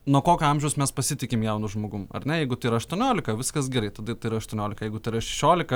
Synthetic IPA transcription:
nuɔkoːkʲoːɐmʲʒʲɛʊsmʲɛspɐsʲɪt̪ʲɪkʲɪmjɛʊnʊʒmoːɡʊmɐ̰rnʲɛjɛɪɡʊt̪ɐɪiɾɐɐʃt̪uɔnʲoːlʲɪkɐʋʲɪskɐsɡʲɛɾɐɪt̪ɐd̪ɐt̪ɐɪiɾɐɐʃt̪uɔnʲoːlʲɪkɐjɛɪɡʊt̪ɐɪɾɐʃʲɛʃʲoːlʲɪkɐ

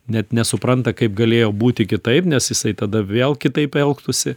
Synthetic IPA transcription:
nʲɛt̪nʲɛsʊpɾɐnt̪ɐkɐɪp̚ɡɐlʲeːjoːbuːt̪ʲɪkʲɪt̪ɐɪpnʲɛsjɪsɐɪt̪ɐd̪ɐʋʲeːlˠkʲɪt̪ɐɪpɛlˠkt̪ʊsʲɪ

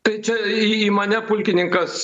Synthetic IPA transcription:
t̪ɐɪt͡ʃʲɛiiːmɐnʲɛpʊlʲkʲɪnʲɪŋkɐs

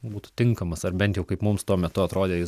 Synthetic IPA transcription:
buːt̪ʊ̥t̪ʲɪŋkɐmɐsɐrbʲɛnt̪ʲjɛʊkɐɪpmʊmst̪uɔmʲɛt̪ʊɐt̪ɾoːd̪ʲeːjɪs

